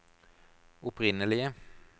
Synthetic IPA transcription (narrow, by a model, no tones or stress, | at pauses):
ʊpʰʁɪnəlɪə